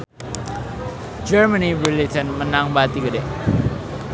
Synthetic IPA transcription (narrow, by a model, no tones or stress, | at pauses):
d͡ʒəɾmənibilid͡ʒənmənaŋbat̪iɡəde